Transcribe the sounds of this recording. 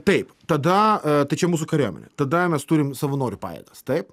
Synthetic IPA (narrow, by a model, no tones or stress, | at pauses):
t̪ɐɪpt̪ɐd̪ɐt̪ɐɪt͡ʃʲɛmuːsʊkɐɾʲoːmʲɛ̰nʲɛt̪ɐd̪ɐmʲɛst̪uːɾʲɪmsɐʋɐnoːɾʲʊpɑ̰ːjɛ̰ɡɐst̪ɐɪp